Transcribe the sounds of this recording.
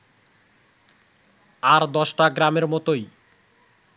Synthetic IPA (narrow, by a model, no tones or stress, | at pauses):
aɾd̪ɔʃʈaɡɾameɾmɔt̪oj